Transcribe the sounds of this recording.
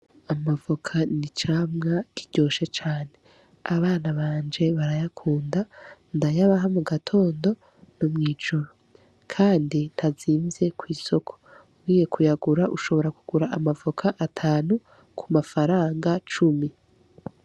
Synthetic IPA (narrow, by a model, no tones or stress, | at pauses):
amavokʰanit͡ʃaːmŋakiɟ̥o̞ːʃe̞t͡ʃaːne̞ | aβaːnaβaːnd͡ʒe̞βaɾajakʰuːndandajaβaɦamuɡatʰo̞ːndo̞ | nomŋiːd͡ʒuɾo | kʰaːndintʰaziːmze̞kwiːso̞kʰo̥ | wiːje̞kujaɡuɾaʔuʃo̞βo̞ɾakuɡuɾaʔamavokʰaʔatʰaːnu | kʰumafaɾaːŋɡat͡ʃumi